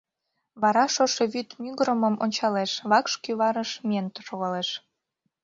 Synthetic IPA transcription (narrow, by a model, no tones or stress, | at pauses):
βɑɾɑʃoʃeβyt̪myɣɾəməmo̰nʲt͡ɕɑleʃβɑkʃkyβɑɾəʃmʲient̪əʃoɣɑleʃ